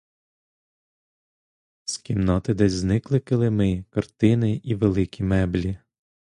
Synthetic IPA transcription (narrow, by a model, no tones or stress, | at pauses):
sʲkʲimnɔt̪ɪd̪ɛzʲznɪklˠɪkɪlˠɪmɪkɐrt̪ɪnɪʔiʋelˠɪkʲimɛblʲi